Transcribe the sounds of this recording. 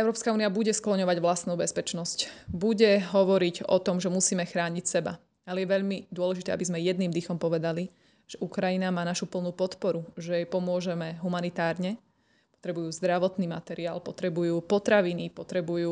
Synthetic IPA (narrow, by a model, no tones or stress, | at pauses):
ɛʊɾɔpskauːnijabuɟɛsklɔɲɔʋaɟʋlast̪nuːbɛspɛt͡ʃnɔscbuɟɛɦɔʋɔɾiɟɔt̪ɔmʒɛmusiːmɛxɾaːɲicsɛba̰ | alɛjɛʋɛʎmid̪ʊɔlɛʒit̪ɛːabizmɛjɛd̪niːmd̪ixɔmpɔʋɛd̪ali | ʒ̥ɛʔukɾajinamaːnaʃupl̩ˠnuːpɔt̪pɔɾuʒɛjɛjpɔmʊɔʒɛmɛɦumanit̪aːɾɲɛ | pɔ̥t̪ɾɛbujuːzd̪ɾaʋɔt̪niːmat̪ɛɾiaːlpɔt̪ɾɛbujuːpɔt̪ɾaʋinipɔt̪ɾɛbujuː